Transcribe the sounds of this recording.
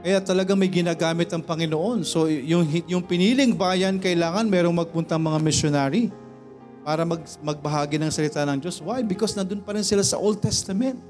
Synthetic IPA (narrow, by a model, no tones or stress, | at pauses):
kɐjat̪ɐlɐɡaŋmɐjɡɪnaːɡaːmɪt̪ɐŋpɐŋɪnoʔo̞nso̞jʊŋɦjʊŋpɪniːlɪŋbaːjɐnkɐʔɪlaːŋɐnmɛːɾo̞ŋmɐɡ̚pʊnt̪ɐɐŋmɐŋamɪʃjonaːɾi | paːɾɐmɐɡ̚ | mɐɡ̚bɐɦaːɡɪnɐŋsɐlɪt̪anɐŋd͡ʒo̞swajbɪkosnɐd̪onpɐɾɪnsɪlasɐ̰ʔold̪̚t̪ɛst̪ɐmɛnt̪̚